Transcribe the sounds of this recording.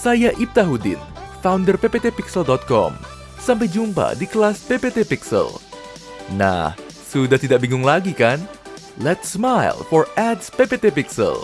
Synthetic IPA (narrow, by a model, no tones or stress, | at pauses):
sajaʔip̚t̪aɦudɪ̰nfawndərpepet̪epiksəldɔt̪̚kɔ̰m | sampajd͡ʒumpa̰dikəlaspepet̪epiksə̰l | na̰h | sudaht̪idaʔbiŋʊŋlaɡikan | lɛt̪smajlfɔrɛdspepet̪epiksə̰l